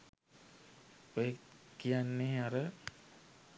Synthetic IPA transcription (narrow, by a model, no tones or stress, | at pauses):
ojekijanːeːaɾə